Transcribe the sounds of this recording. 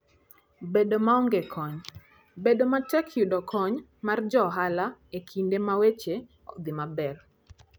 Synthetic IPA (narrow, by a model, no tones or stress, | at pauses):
bedomaɔŋɡekʰɔɲ | bedomatɛkʰjudɔkʰɔɲ | mard͡ʒɔɦalaekʰindemawet͡ʃe | ɔ̰d̪ɪmabɛr